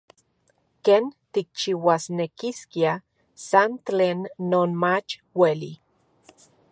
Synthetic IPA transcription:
keːnt̪ik̚t͡ʃiwasnekiskia | sant̪t͡ɬeːnːoːnmat͡ʃwelḭ

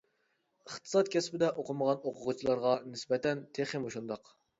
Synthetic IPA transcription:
əχt̪ʰɨ̥sɑt̪̚kʲʰɛspɪd̪ɛʔoqəməʁɑnoqʰʊʁʊt͡ʃʰilˠɑɾʁɑnɪsbɛt̪ʰɛnt̪ʰeχemoʃund̪ɑq

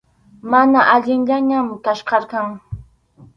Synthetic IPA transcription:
manaʔaʎɪŋʎaɲamt̪aʃqɑɾkɑŋ

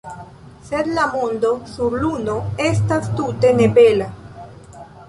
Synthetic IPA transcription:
sed̪lamond̪osuɾlunoest̪ast̪ut̪enepela

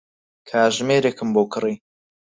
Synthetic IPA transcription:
kʰaːʒmeːɾeːkɨmboːkʰɨriː

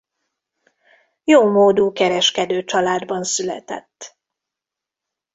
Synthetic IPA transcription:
joːmoːd̪uːkɛɾɛʃkɛd̪øːt͡ʃɒlaːd̪bɒnsylɛ̰t̪ɛ̰t̪ː

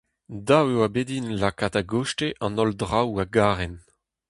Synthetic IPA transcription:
dawewabedinlakataɡoʃteʔɑ̃nɔldʁawaɡaːʁɛn

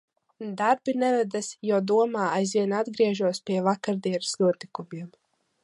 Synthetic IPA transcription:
d̪aɾbinɛvɛd̪asjawd̪uɔmaːajzviɛnad̪ɡɾiɛʒuɔspʲiɛvakaɾd̪iɛnɨsnuɔt̪ikumʲiɛm

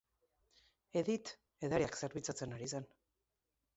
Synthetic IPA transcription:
eðit̪ | eðaɾiakse̞ɾβit͡sat͡se̞naɾis̬an

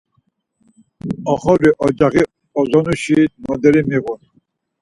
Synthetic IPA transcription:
ɔχɔɾiʔɔd͡ʒaɣi | ɔzɔnuʃimɔd̪ɛɾimiɣun

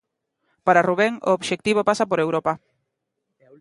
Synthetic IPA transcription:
paɾaruβ̞eŋoːβʃek̚t̪iβopasapoɾewɾopa

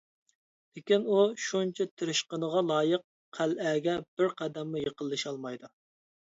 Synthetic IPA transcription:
lekʲinuʃunt͡ʃʰɛt̪ʰɪɾɪʃqənəʁɑlˠɑːjəq̚ | qʰælɛɡʲɛb̥ɪɾqʰæd̪ɛmːujəqəlˠːɨʃɑlˠmɑjd̪u

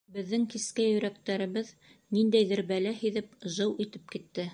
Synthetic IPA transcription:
bɘ̆ðːɘŋkiskæjɵ̆ɾæk̚t̪æɾɘ̆βɘð | nind̪æjðɘɾbælæhiðɘpʒɤwit̪ɘp̚kit̪ːɘ

